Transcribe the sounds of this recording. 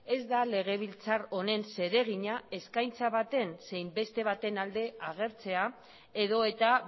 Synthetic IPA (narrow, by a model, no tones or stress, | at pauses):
e̞zd̪ale̞ɣ̞e̞β̞ilt͡saro̞ne̞nse̞ɾe̞ɣ̞iɲae̞skajnt͡saβat̪e̞nse̞jmbe̞st̪e̞β̞at̪e̞nald̪e̞aɣ̞e̞ɾt͡se̞a | eðo̞e̞t̪a